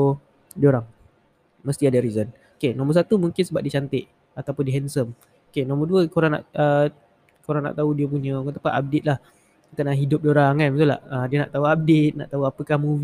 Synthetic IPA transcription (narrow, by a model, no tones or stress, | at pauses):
dioɾaŋ | məst̪iadaɾizən | okenɔ̃mərs̬at̪umuŋkɪnsəbap̚dit͡ʃant̪ɪʔ | at̪awpʊndiɦɛnsəm | okenɔ̃mərduəkoɾaŋna̰ʔə | koɾaŋna̰ʔt̪audiəp̬uɲə̃kat̪apaʔap̚det̪̚lah | ik̪aʔnaʔɦidʊp̚dioɾaŋkanbət̪ula̰ədiəna̰ʔt̪auap̚det̪̚na̰ʔt̪auapəkahmuv